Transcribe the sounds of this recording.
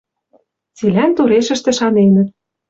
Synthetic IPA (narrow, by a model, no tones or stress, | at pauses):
t͡silænt̪uɾeʃɘ̆ʃt̪ĕʃɑnenə̆t̪̚